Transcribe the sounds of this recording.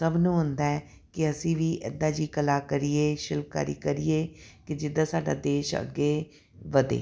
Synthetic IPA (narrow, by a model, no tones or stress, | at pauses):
səbnũːɦʊ̃nd̪aɛ | kɪəsĩːʋiːʔɛ̰d̪aːd͡ʒiːkəlaːkəɾieːʃɪlp̚ka̰ːɾḭːkəɾiːeːkɪd͡ʒɪd̪ãːsaːɖa̰ːd̪eːʃə̰ɡːeː | ʋəd̪ḛː